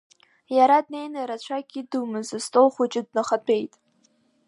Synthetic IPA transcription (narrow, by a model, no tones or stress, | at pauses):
jaɾadne̞jnaɾat͡ɕʷʰaɡʲidumɨzastʼolχʷat͡ʃʼɪdnaχapʰe̞jtʼ